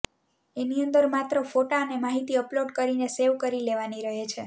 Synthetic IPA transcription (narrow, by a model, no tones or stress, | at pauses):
eniənd̪əɾmat̪ɾəfoʈaənemaɦit̪iəploɖkəɾineseʋkəɾileʋaniɾəɦet͡ʃʰe